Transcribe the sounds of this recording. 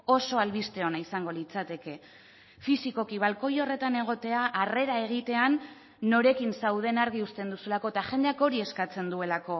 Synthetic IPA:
o̞so̞alβist̪e̞o̞naisaŋɡo̞lit͡sat̪e̞ke̞ | fisiko̞kiβ̞alko̞jo̞re̞t̪ane̞ɣ̞o̞t̪e̞aʔare̞ɾae̞ɣ̞it̪e̞anː | o̞ɾe̞kinsawð̞e̞naɾɣ̞iust̪e̞nd̪usulako̞et̪aʝe̞nd̪e̞ako̞ɾie̞skat͡se̞nd̪ue̞lako̞

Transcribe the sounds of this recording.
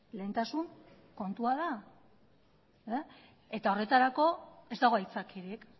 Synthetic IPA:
le̞ːnt̪asuŋ | ko̞nt̪uað̞a | e | e̞t̪ao̞re̞t̪aɾako̞e̞zd̪aɣ̞o̞ait͡sakʰiɾik

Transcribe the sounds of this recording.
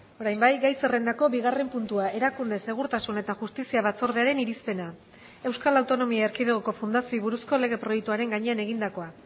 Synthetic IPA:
o̞ɾajmbajɡajse̞re̞nd̪ako̞βiɣare̞mpunt̪uaʔe̞ɾakund̪e̞se̞ɣ̞uɾt̪asune̞t̪aʝust̪isiaβat͡so̞ɾð̞e̞aɾe̞niɾispe̞na | e̞wskalawt̪o̞no̞miaeɾkið̞eɣoko̞fund̪asioiβuɾusko̞le̞ɣ̞e̞pɾo̞jekt̪uaɾe̞ŋɡaɲe̞ane̞ɣ̞ind̪ako̞a

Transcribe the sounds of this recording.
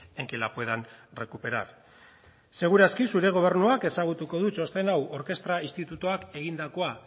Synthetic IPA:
eŋkelapue̞ðanre̞kupe̞ɾa̰ɾ | se̞ɣ̞uɾaskisuɾe̞ɣ̞o̞β̞e̞ɾnuake̞saɣ̞ut̪uko̞ð̞ut͡ʃo̞st̪e̞nawʔo̞ɾke̞st̪ɾaist̪it̪ut̪uake̞ɣind̪ako̞a

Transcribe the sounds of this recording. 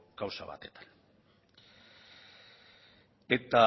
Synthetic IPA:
kawsaβa̰t̪e̞t̪ḁn | e̞t̪a

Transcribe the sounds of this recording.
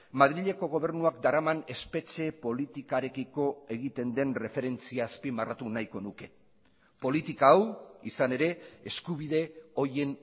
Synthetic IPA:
mað̞ɾiʎeko̞ɣ̞o̞β̞e̞ɾnuakd̪aɾamane̞spe̞t͡ʃe̞po̞lit̪ikaɾe̞kiko̞e̞ɣit̪e̞nd̪e̞nre̞fe̞ɾe̞nt͡siaːspimarat̪unajko̞nuke̞ | po̞lit̪ikaːwisane̞ɾe̞ːskuβ̞iðe̞o̞je̞n

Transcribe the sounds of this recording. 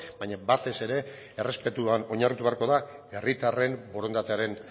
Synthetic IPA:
baɲabat̪e̞se̞ɾe̞ | ere̞spe̞t̪uano̞ɲarit̪uβe̞aɾko̞ðae̞rit̪are̞mbo̞ɾo̞nd̪at̪eaɾe̞n

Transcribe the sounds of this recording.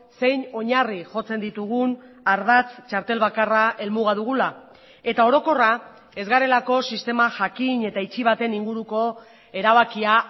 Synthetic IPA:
se̞jɲo̞ɲariʝo̞t͡se̞nd̪it̪uɣ̞un | aɾðat͡st͡ʃaɾt̪e̞lβakaraʔe̞lmuɣaðuɣ̞ula | e̞t̪ao̞ɾo̞ko̞ra | e̞zɣaɾe̞lako̞sist̪e̞maʝakiɲe̞t̪ait͡ʃiβ̞at̪e̞niŋɡuɾuko̞ | e̞ɾaβ̞akia

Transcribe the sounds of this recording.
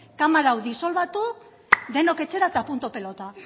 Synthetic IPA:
kamaɾawdiso̞lβat̪u | d̪e̞no̞ke̞t͡ʃe̞ɾat̪apunt̪ope̞lo̞t̪a

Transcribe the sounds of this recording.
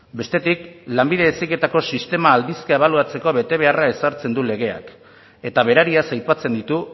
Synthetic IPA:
be̞st̪e̞t̪iklambiðe̞esike̞t̪ako̞sist̪e̞maːld̪iskae̞β̞aluat͡se̞ko̞βe̞t̪e̞β̞e̞arae̞saɾt͡se̞nd̪ule̞ɣ̞e̞a̰k | e̞t̪aβ̞e̞ɾaɾiasajpat͡se̞nd̪it̪u

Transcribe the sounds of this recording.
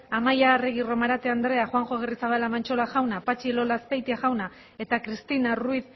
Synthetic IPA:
amajareɣiro̞maɾat̪eand̪ɾe̞axwaŋxo̞ɣerisaβalamant͡ʃo̞laxawnapat͡ʃilo̞laspejt̪iaʝawna | e̞t̪akɾist̪inaruiθ

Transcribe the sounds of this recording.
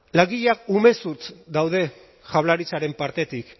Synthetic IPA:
laɣiʎakume̞suɾt͡sd̪awðe̞ | ʝaβlaɾit͡saɾe̞mpaɾt̪e̞t̪ik

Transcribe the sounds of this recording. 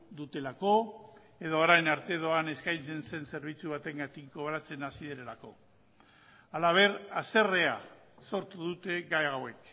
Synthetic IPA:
d̪ut̪e̞lako̞ | e̞ðoːɾajnaɾt̪e̞ðo̞ane̞skajnt͡se̞nse̞nse̞ɾβ̞it͡suβ̞at̪e̞ŋɡat̪ikɡo̞βɾat͡se̞nasiðeɾeɾako̞ | alaβ̞e̞ɾase̞re̞a | so̞ɾt̪uðut̪e̞ɡajawe̞k

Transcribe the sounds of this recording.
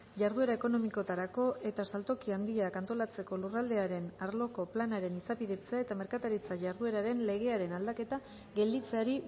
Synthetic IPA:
ʝaɾðue̞ɾae̞ko̞no̞miko̞t̪aɾako̞ʔe̞t̪asalt̪o̞kiand̪iakant̪o̞lat͡se̞ko̞lurald̪e̞aɾe̞naɾlo̞ko̞planaɾe̞nisapiðe̞t͡seae̞t̪ame̞ɾkat̪aɾit͡saʝaɾðue̞ɾaɾe̞nle̞ɣ̞e̞aɾe̞nald̪ake̞t̪a | ɣe̞ld̪it͡se̞aɾi

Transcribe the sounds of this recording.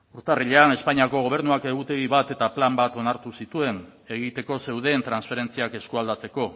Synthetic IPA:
uɾt̪ariʎeane̞spaɲiako̞ɣo̞β̞e̞ɾnuake̞ɣ̞ut̪e̞ɣiβat̪e̞t̪aplambat̪o̞naɾt̪usit̪ue̞n | e̞ɣ̞it̪e̞ko̞se̞wðe̞ːnt̪ɾansfe̞ɾe̞nt͡siake̞skuald̪at͡se̞ko̞

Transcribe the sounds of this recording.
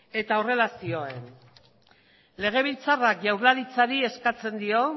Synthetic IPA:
e̞t̪aore̞lasio̞e̞n | le̞ɣ̞e̞β̞ilt͡sarakʝawɾlaɾit͡saɾie̞skat͡se̞nd̪io̞

